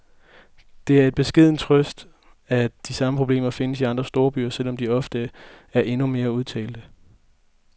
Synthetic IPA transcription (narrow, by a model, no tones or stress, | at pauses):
d̥e̝æɐe̝d̥̚b̥e̝sɡ̥e̝ð̞̰ˠn̩t͡sʰʁœsd̥ | æd̥isɑ̈məpʰʁo̝b̥le̝̰ːmɐfe̝nəsiɑ̈nd̥ʁɐsd̥o̝ːɐb̥y̰ːɐsel̰ɒ̽md̥iɒ̽fd̥əæɐʔe̝nume̝ːɐuðˠt͡sʰɛ̰ːld̥ə